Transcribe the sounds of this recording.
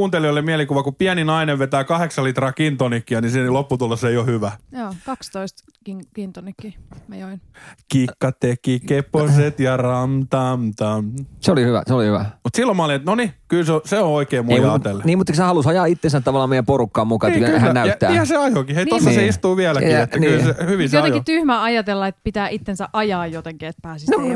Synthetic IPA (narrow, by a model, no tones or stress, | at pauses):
uːnt̪eliolːemmiælikuʋɑkupiæninɑineʋʋet̪æːkɑheksɑlit̪rɑːkint̪onikːiænisinlopːut̪ulːesːeiohyʋæjoːkɑkst̪oist̪ | kiŋkint̪onikːimæjoinkikːɑt̪ːekiːkepːoset̪jɑrɑmt̪ɑːmt̪ɑːnseolihyʋæ̰seolihyʋæ̰mut̪silːomɑɑlinet̪nonikylseoseõoikeːmuemuɑelːniːmut̪ːˑeksæhɑlusɑjɑːit̪ːensænt̪ɑʋɑlːˑɑːmeijæmporukːɑːmmukɑyæehænæyt̪ːæ̰ːehæseɑjokiheinosːɑiseist̪uːʋiælæiet̪ːæniyːsehyʋinsjoɑejkit̪yhmæɑjɑt̪elːɑet̪pit̪æːʔit̪ːensæʔʔɑjɑːjjot̪eŋkiet̪pæːsisno